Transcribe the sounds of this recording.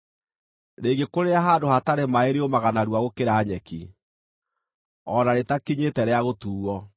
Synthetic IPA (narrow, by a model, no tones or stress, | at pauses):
ɾeːɡekoɾeaɦaːdohataɾemaeɾeomaɣanaɾwaɣokeɾaːɲɛki | ɔnaɾetakiɲetɛɾeaɣotuːɣɔ